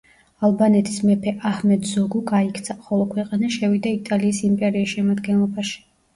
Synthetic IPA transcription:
alˠbanɛt̪ʼismɛpʰɛʔahmɛd̪zɔɡuɡaikʰt̪sʰaχɔlˠɔkʰwɛqʼanaʃɛvid̪ait̪ʼaliːsimpʼɛɾiisʃɛmad̪ɡɛnlˠɔbaʃi̥

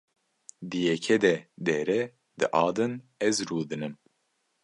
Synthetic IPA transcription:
d̪ɨjɛkʰɛd̪ɛd̪ɛɾɛ | d̪ɨʔɑːd̪ɨnɛzɾuːd̪ɨnɨm

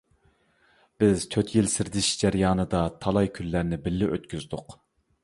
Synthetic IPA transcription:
b̥ɪz̥t̪ʰøt̪ʰjilsɪɾd̪ɪʃd͡ʒæɾjɑːnɨd̪ɑt̪ʰɑlˠɑjkʲʰylːæɾnɪbɪlːɪʔøt̪kʲyzd̪ʊq

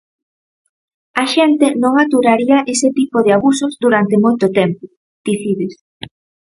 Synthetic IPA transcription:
aʃɛnt̪enõŋat̪uɾaɾiɐʔeset̪ipoðeaβusozd̪uɾant̪emojt̪ʊt̪ɛmpʊ | d̪̥iθiðes

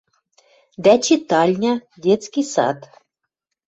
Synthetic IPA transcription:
d̪æt͡ɕit̪ɑlʲnʲɑdʲet̪t͡skisɑ̰t̪

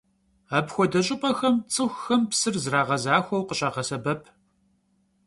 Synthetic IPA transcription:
aːpxʷɔdɐɕʼɪpʼɐxɐmt͡sʼɨxʷxɐmpsɨrzraːʁɐzaːxʷɔwqəɕʼaːʁɐsɐbɐpʰ

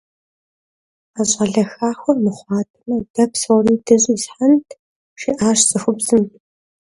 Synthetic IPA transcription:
aɕʼɐɮɐxaːxʷɔrmɨχʷɑːtʰɨmɐdɐpsɐwriːdɐʑʼɪzħantʰ | ʃiʔaːɕsʼɨxʷʊbzɨm

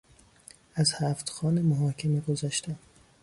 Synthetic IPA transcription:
æzhæːft̪xɒːnemoɦɒːkʰemiɡozæʃt̪ʰæm

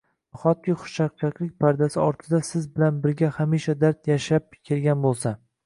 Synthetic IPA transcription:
χɒt̪̚kʲɪχʊ̥ʃt͡ʃaq̚t͡ʃʰakʲlɪk̚ʲpʰaɾd̪asɪɒɾt̪ʰɪd̪asɪzbɪlanbɪɾɡʲahamiʃad̪aɾt̪jaʃap̚kʲʰe̞lɡʲanbolˠsa

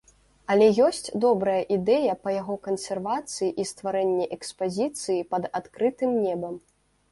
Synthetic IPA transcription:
ɐlʲɛjɔsʲt͡sʲd̪ɔbɾɐjɐʔid̪ɛjɐpɐjaɣɔkɐnsʲɛrvat̪sɨjiʔist̪vaɾɛnʲːɛʔɛkspazʲit̪sɨjipɐd̪at̪kɾɨt̪ɨmnʲɛbɐm

